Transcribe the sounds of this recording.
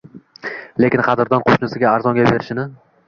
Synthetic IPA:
le̞kʲɪnqʰɑd̪ɪɾd̪ɒnqʰoʃnɪsɪɡʲaːɾzɒŋɡʲabe̞ɾɪʃɪnɪ

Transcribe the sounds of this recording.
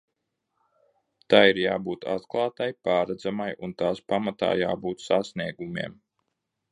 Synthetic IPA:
t̪ajiɾjaːbuːt̪a̰t̪klˠaːt̪ajpaːɾad̪zamajunt̪aːspamat̪a̰ːja̰ːbuːt̪sasniɛɡumḭɛm

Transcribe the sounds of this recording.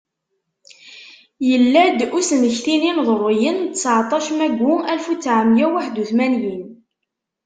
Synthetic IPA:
jəlːæd̪usnəçθininðˤəɾˤijənt̪əsʕt̪ˤɑʃmæɡʷuælfut͡sːʕəmjæwaħd̪uθmænjin

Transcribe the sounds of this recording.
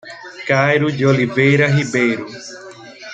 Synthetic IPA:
kajɾud͡ʒolivejɾɐɦibejɾu

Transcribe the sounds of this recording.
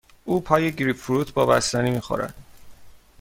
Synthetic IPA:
ʔuːpʰɒːje̞ɟɾipfuɾuːt̪ʰbɒːbæst̪æniːmiːxo̰ɾæ̰d̪̥

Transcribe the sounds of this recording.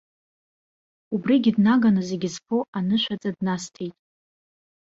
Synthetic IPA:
ubriɡʲɪdnaɡanaze̞ɡʲɪzpʰoʔanɨʃʷat͡sʼadnastʰejtʼ

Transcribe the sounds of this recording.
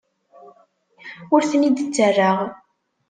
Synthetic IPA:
ʊɾθənid̪ət͡sːərːaʁ

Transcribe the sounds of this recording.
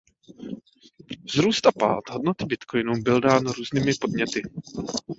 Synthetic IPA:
vzɾuːst̪apa̰ːt̪ɦo̞d̚not̪ɪbɪt̪kʰo̞jnubɪldaːnɾuːzniːmɪpo̞d̚ɲɛt̪ɪ

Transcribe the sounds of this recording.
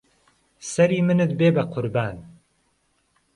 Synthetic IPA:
sɐɾiːmɨnɨt̪̚beːbɐqʰʊɾbaːn

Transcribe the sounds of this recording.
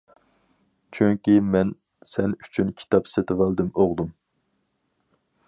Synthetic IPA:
t͡ʃʰyŋʲkʲimɛn | sɛny̥t͡ʃʰynkʲʰi̥t̪ʰɑpset̪ʰɪvælˠd̪ɪmoʁd̪um

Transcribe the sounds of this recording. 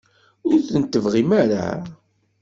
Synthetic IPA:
ʊɾθənt̪ːəvʁimæɾa̰

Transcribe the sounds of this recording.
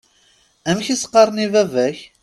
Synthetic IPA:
æmçisə̥qːɑɾˤnivævæç

